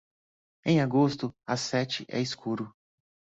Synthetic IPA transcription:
ẽj̃aɡost̪ʊasɛt͡ʃɪʔɛ̰iskʰuɾʊ

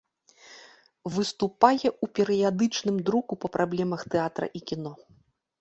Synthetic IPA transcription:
vɨst̪upajɛʔupʲɛɾɨjad̪ɨt͡ʂnɨmd̪ɾukupɐpɾʔablʲɛmɐxt̪ɛat̪ɾɐ̰ʔikʲin̪ɔ

